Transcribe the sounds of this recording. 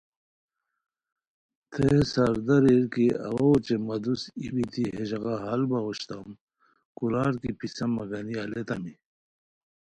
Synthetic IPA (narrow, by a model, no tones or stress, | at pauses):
t̪ʰesaɾd̪ɐɾiɾkiɐ̰wɐot͡ɕemɐd̪usibit̪ʰiɦeʑɣaɦɐlbɐoɕt̪am | kulaːɾkipisɐmɐɡɐniɐlet̪ɐmi